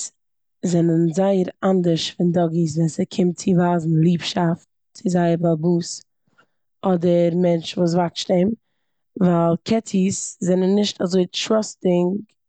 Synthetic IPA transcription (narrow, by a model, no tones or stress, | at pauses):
s | zɛnənzaɪəɾandəɾʃfɪndɔɡis̬vɛsəkʰɪmt͡sɪvaːzn̩lˠiːpʃaft | t͡sɪzaɪəɾbabuːs | ɔdəɾmɛnt͡ʃvuːs̬vakʃteɪm | vaːlˠkʰɛtʰiszɛnənːɪʃtazoɪʃvɔstɪŋk